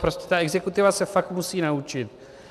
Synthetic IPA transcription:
pɾo̞scɛ̥t̪aɛɡzɛkut̪ɪvasɛfak̚t̪musiːnaut͡ʃɪt̪̚

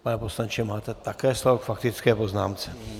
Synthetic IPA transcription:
panɛposlaɲt͡ʃɛmaːt̪ɛt̪akɛːslɔɔkfakt̪it͡skɛːpoznaːmt͡sɛ̥

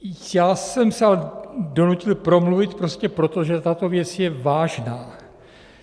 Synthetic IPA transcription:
jaːsɛmsɛalɛdo̞nucɪlpɾo̞mluvɪt̪pɾo̞scɛpɾo̞t̪o̞ʒɛt̪at̪o̞vjɛt͡sjɛvaːʒnaː

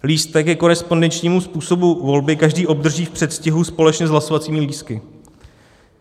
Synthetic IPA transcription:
liːst̪ɛkɛko̞ɾɛspo̞ndɛnt͡ʃɲiːmuspuːso̞buvo̞lbɪkaʒdiːʔo̞b̚d̪r̩ʒiːfpr̥ɛt̪scɪɦuspo̞lɛt͡ʃɲɛzɦlaso̞vat͡siːmɪliːskɪ

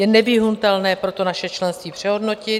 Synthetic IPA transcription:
jɛnɛvɪɦunt̪ɛlnɛːpɾo̞t̪o̞naʃɛt͡ʃlɛnst̪viːpr̥ɛɦo̞dno̞cɪ

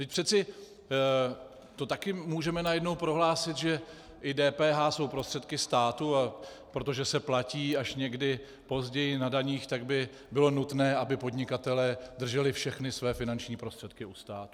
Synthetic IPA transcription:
t̪ɪc̚ʲpr̥ɛt̪t͡sɪ | t̪o̞t̪akɪmuːʒɛmɛnajɛdno̞wpɾo̞ɦlaːsɪt̪ʒɛ | ʔɪdɛːpɛːɦaːso̞wpɾo̞st̪r̥ɛt̪kɪst̪aːt̪ua | pɾo̞t̪o̞ʒɛsɛplaciːaʃɲɛɡdɪ | po̞zɟɛjɪnadaɲiːxt̪aɡbɪ | bɪlo̞nut̪nɛːʔabɪpo̞d̪ɲɪkat̪ɛlɛːd̪r̩ʒɛlɪfʃɛxnɪsvɛːfɪnant͡ʃɲiːpɾo̞st̪r̥ɛt̪̚kɪust̪aːt̪u̥

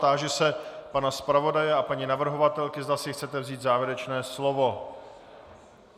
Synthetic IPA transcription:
t̪aːʒɛsɛpanaspɾavo̞dajɛapaɲinavr̩ɦo̞vat̪ɛlkɪzd̪asɪxt̪t͡sɛt̪ɛvziːd̪zaːvjɛɾɛt͡ʃnɛːslo̞vo̞

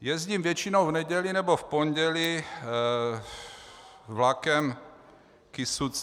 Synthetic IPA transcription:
jɛzɟimvjɛt͡ʃinowvnɛɟɛlinɛbofpoɲɟɛli | vlakɛm | kisut͡s

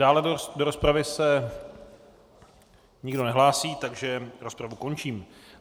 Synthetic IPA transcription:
daːlɛdo̞ɾospɾavɪsɛ | ɲɪɡdo̞nɛɦlaːsiːt̪aɡʒɛɾo̞spɾavuko̞nt͡ʃiːm

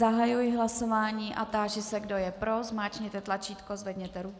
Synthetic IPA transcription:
aɦajujɪɦlaso̞vaːɲiːʔat̪aːʒɪsɛɡdo̞jɛpɾozmaːt͡ʃɲɛt̪ɛt̪lat͡ʃiːt̪kozvɛd̪ɲɛt̪ɛɾu

